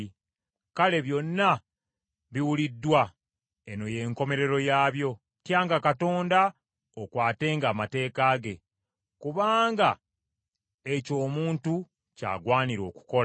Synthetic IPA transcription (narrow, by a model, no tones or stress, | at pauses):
kale̞βjo̞nːa | βiwulidːwa | e̞no̞je̞ŋko̞me̞ɾe̞ɾo̞jaːβjo̞ | tjaːŋɡakato̞ːnda | okwaːte̞ːŋɡaːmate̞ːkaːɡe̞ | kuβaːŋɡa | e̞co̞ːmuːntu | ca̰ːɡwaːniɾo̞̰ːku̥ko̞